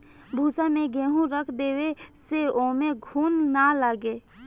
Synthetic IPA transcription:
bʱuːsamẽɡẽːɦũɾəkʰd̪eːweseoːmẽɡʱuːnːalaːɡeː

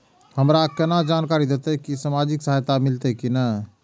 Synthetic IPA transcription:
həmɾakɛnad͡ʒaːnkaːɾid̪et̪ekisamaːd͡ʒɪksəɦajt̪amɪlt̪ekinə

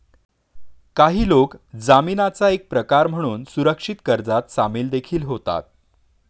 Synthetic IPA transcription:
kaɦiːlokd͡zaminat͡saek̚pɾəkaɾm̤əɽ̃uːnsuɾəkʂit̪kəɾd͡zat̪samiːld̪ekʰiːlɦot̪a̰t̪̚

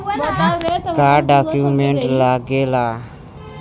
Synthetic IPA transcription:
kaːɾɖakjumẽɳʈlaɡelaː

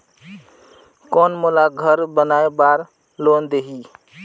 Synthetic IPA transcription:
kɔnmolaɡʱəɾbənaːebaːɾ | loːnd̪eɦi

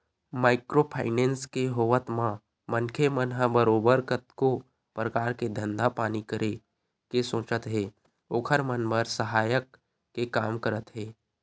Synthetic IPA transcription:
maːɪkɾopʰa̰ːɪnẽːnskeɦoːʋət̪mã | mənkʰemənɦəbəɾoːbəɾkət̪ko | pɾəkaːɾked̪ʱə̃nd̪apaːnikəɾe | kesõːt͡ʃət̪ɦɛː | oːkʰəɾmənbəɾsəɦaːjəkː | ekaːmkəɾət̪ɦɛː

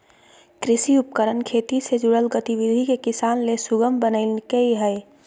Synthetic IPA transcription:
kɾɪsiʊp̚kəɾənkʰeːt̪ised͡ʒuɽəlɡət̪iʋid̪ʱikekɪsaːnlesʊɡəmbənəɪlkeiɦɛɪ

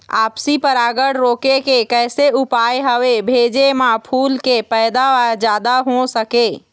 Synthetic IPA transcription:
a̰ːpsipəɾaːɡəɽ̤ɾoːkekekɛːseʊpaːeɦəʋebʱeːd͡ʒemãpʰuːlkepɛːd̪aad͡ʒaːd̪aɦosəkeː

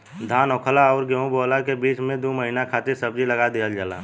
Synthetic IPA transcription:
d̪ʱaːnɔːkʰlaɔːɾɡɛũboːlakebiːt͡ʃmẽd̪oməɦinakʰaːt̪ɪɾsəbd͡ʒiləɡad̪eːəld͡ʒaːla̰

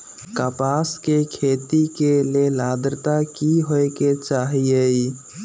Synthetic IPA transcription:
kapaskekʰet̪ikelelad̪ɾt̪akiɦoket͡ʃaɦiəi

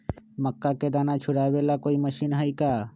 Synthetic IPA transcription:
məkːaked̪aːnat͡ʃʰuɽabelakoiməʃinɦəika

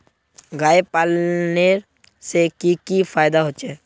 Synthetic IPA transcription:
ɡaːepaːlneɾ | sekikipʰaːjd̪aɦot͡ʃʰeː

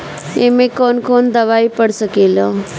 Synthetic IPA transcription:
emẽkoːnkoːnd̪əʋaːipəɽsəkelo

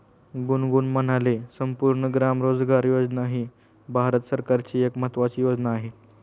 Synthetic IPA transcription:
ɡunɡunmənalesəmpuɾɳəɡɾamɾod͡zɡaɾjod͡znaːɦi | bʱaɾət̪səɾkaɾt͡ɕiːekmət̪ʋat͡ɕijod͡znaːɦe

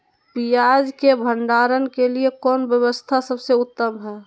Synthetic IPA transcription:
pijad͡ʒkebʱə̃ɳɖaɾənkeliekɔːnbjəwəst̪ʰasəbseʊt̪ːəmɦɛː

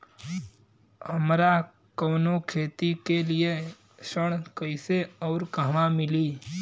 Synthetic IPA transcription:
həmɾa | kəːnokʰeːt̪ikelie | ʃəɽ̃kəɪseɔːɾkəɦʋamɪliː

